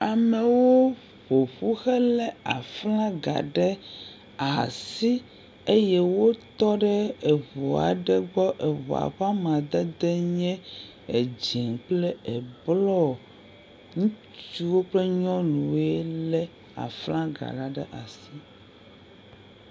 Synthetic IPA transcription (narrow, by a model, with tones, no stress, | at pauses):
a˨mɛ˨wo˦ | ɸo˨ɸu˦xɛ˦lɛ˦a˨flã˦ɡa̰˨ɖɛ˦ | a˨si˦ | e˦jɛ˦wo˦t̪ɔ˦ɖɛ˦ɛ˨βɔ˨a̰˨ɖɛ˦ɡ͡bɔ˦ʔe˨βɔ̰˨a̰˨ɸa˦mã˨d̪e˦d̪ɛ˦ɲɛ̃˦ | e˨d͡ʑi˨ŋk͡plɛ˦ɛ˨blɔ˦˨ | ŋũ˦ | t͡ʃi˦wo˦k͡plɛ˦ɲɔ̃˦lũ˨ɛ˦lɛ˦ | a̰˨flã˦ɡa̰˨ɖa˨ɖɛ˦ʔa˨si˦